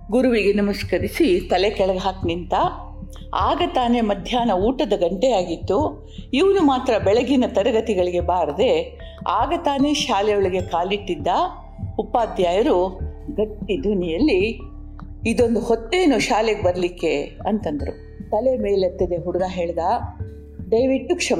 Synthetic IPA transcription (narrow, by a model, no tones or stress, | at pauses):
ɡuɾuʋiɡe̞nimɐskɐɾisit̪ɐlekɛɭɐɡɦaːknint̪ɐ | aːɡɐt̪aːne̞mɐd̪ʱjaːnɐuːʈɐd̪ɐɡɐɳʈejaːɡit̪ːu | iʋɐnumaːt̪ɾɐbɛɭɐɡinɐt̪ɐɾɐɡɐt̪iɡɐɭiɡe̞baːɾɐd̪e̞ | aːɡɐt̪aːne̞ʃaːlɛjɔɭiɡe̞kaːliʈːid̪ːɐ | upːaːd̪jaːjɐɾuɡɐʈːid̪ʱunijɐlːi | id̪o̞nd̪uhot̪ːeːnuʃaːleɡebɐɾɐlikːe̞ɐnt̪ɐnd̪ɐɾu | t̪ɐlemeːlɐt̪ːid̪e̞ɦuɽuɡaɦeːɭd̪a | ɖɐjʋiʈːukʂɐm